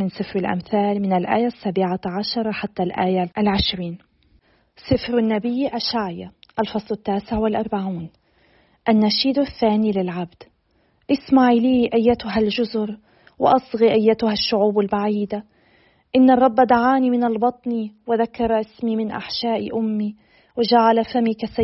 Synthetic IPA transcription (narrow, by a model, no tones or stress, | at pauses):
mɪnsˤɨfɾɪlʔa̰mθaːlmɪnalʔa̰ːjasːaːbɪʕaʕaʃɑɾˤɑħat̪ːalʔaːjaʔlʕɪʃɾiːn | sˤɨfɾanːabɪjːʔaʃaːʕjaʔalfɑsˤlɪt̪ːaːsɪʕwɪlʔɑɾˤbaʕuːn | ʔanːaʃiːd̪aθːaːnilɪlʕabd̪̥ | ʔɪsmaʕiliːʔajːat̪ʊɦalʒʊzʊɾ | wɪ̰ʔɑsˤɣiʔajːat̪ʊhaʃːʊʕuːbalbaʕiːd̪a | ʔɪnːɑrˤːɑbːd̪aʕaːnimɪnalbɑt̪ˤniwɪðakːɑɾˤʔɪsmimɪnʔa̰ħʃaːʔiʔʊmːi | wɪd͡ʒaʕalafamikasa